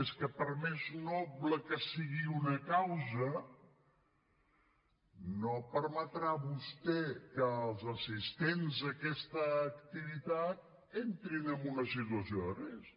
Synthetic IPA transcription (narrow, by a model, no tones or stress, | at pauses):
eskəpəɾmeznɔbləkəsiɣiunəkawzə | nopəɾmət̪ɾaβust̪ɛkəːlˠzəsist̪enzəkɛst̪əːkt̪iβit̪at̪̚ | ent̪ɾinəmbunəsit̪uəsioðəres